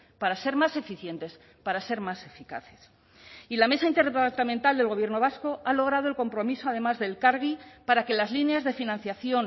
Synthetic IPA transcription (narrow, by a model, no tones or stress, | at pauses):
paɾase̞ɾmase̞fiθje̞nt̪e̞s | paɾase̞ɾmase̞fikaθe̞̥s | ilame̞saint̪eɾaɾt̪ament̪ald̪elɣ̞o̞βje̞ɾno̞β̞asko̞ʔalo̞ɣ̞ɾað̞o̞e̞lko̞mpɾo̞miso̞að̞e̞mazðe̞lkaɾɣipaɾake̞lazlineazðefinãn̟θjaθjo̞n